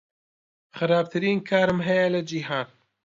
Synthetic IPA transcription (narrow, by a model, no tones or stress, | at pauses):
χɨɾaːb̚t̪ʰɨɾiːnkʰaːɾɨmɦɛjɛlɐd͡ʒiɦaːn